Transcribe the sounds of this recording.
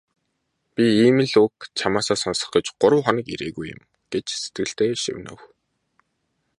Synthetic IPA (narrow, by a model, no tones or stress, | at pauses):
pʲiiːmɘ̆ɮukt͡ɕʰamaːsaːsɔnsə̥̆χə̆t͡ɕɢʊɾə̆wχɔnə̆kḭɾḛːɣujʊ̰̆m | ɡ̥et͡ɕset̪̚ɡɘ̆ɬt̪eːʃḭwʲnə̰̆w